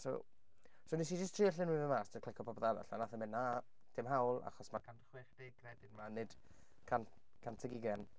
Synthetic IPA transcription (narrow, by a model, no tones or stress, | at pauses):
so̰ | sonis̬id͡ʒəstʰriːəɬɪnwɪvəmaːstəkʰlˠɪkʰɔpʰɔbɔðava̰ɬanaθəmɪna | d̥ɪmɦawlˠa̰χɔsmakʰanχweːχd̥eɡrɛdɪnmanɨd̥ | kʰankʰantʰəɡɪɡɛn